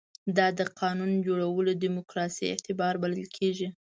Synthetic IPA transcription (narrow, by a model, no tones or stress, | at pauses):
d̪ɑd̪əqʰɑnund͡ʒoɽawəlod̪imʊkɾɑsḭɪ̰ht̪ɪbɑɾbaləlkʰeʒi